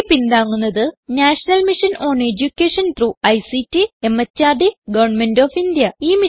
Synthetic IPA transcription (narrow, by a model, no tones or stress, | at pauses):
pind̪aːŋːunːɐðɨnaːʂɐnɐlmiʂɐno̞ːned͡ʑukʲːeːʂɐnt̪ɾuːɐjsitːiemːɐt͡ɕːaːɖiɡɐʋɐrɳme̞ndoːfind̪jɐiːmi